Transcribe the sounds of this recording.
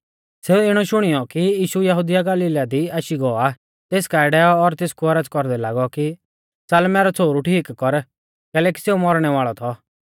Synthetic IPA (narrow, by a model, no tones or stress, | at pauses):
seuɪɽ̃ɔʃʊɽ̃ɪjɔkijiːʃujɐɦud̪ɪjaɡɐliːlad̪iaːʃiɡɔa | t̪eːskaːɪɖɛɔːɾt̪ɪskuɐɾəd͡zkɔɾd̪ɛlaːɡɔki | t͡sɐlmɛɾɔt͡sʰoːɾuʈʰiːkːɔɾ | kɛːlɛːki̥seumɔɾɽ̃ɛʋaːɭɔt̪ʰɔ